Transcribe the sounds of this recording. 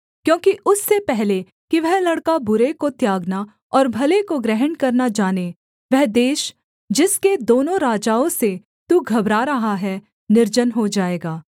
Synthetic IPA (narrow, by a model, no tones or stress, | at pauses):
kjõːkiʔʊsːepɛɦle | kiʋɛɦlɐɽkabʊɾekot̪jaːɡna | ɔːɾbʱɐlekoɡɾɛɦənkɐɾnad͡ʒaːne | ʋɛɦd̪eːʃ | d͡ʒɪsked̪oːnõɾaːd͡ʒaːõse | t̪uɡʱɐbɾaːɾɐɦaɦɛ | nɪɾd͡ʒənɦod͡ʒaːeːɡaː